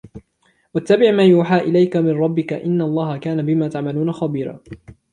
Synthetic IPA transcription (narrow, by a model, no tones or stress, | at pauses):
wat̪ːabɪʕmaːjuːħaːʔɪlajkamɪnɾˤɑbːɪkaʔɪnːaɑlˤːɑːhakaːnabɪmaːt̪aʕmaluːnaxɑbiːɾa̰ː